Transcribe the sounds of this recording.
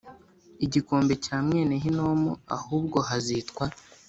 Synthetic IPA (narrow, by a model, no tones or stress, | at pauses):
iɟiko̞ːmbe̞caːmŋe̞ːneɦinomua̰huːbɡo̞ɦazitkwa